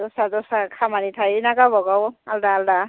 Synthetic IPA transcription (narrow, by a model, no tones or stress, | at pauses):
dɔsazɔsakʰamanitʰajnaɡabɔɡawaldaːlda